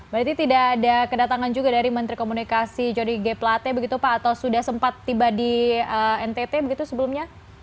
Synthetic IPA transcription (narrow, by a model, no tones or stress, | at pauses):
bəɾat̪it̪idaːdakədat̪aŋand͡ʒuɡadaɾimənt̪ɾikomunikasid͡ʒoniɡeplat̪ebəɡit̪upaːt̪awsudahsəmpat̪ːibadiəɛnt̪et̪ebəɡit̪usəbəlumɲa